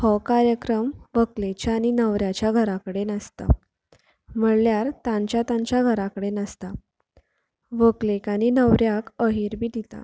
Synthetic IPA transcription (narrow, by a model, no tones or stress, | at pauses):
hɔkaɾjəkɾəmʋəklet͡ɕjaninəʋɾjat͡ɕjaɡʱəɾakəɽenəst̪a̰ | m̤əɽljaɾt̪ãɲt͡ɕjat̪ãɲt͡ɕjaɡʱəɾakəɽenəst̪a | ʋəklekañinəʋɾjakəɦiːɾbʱiːd̪it̪a̰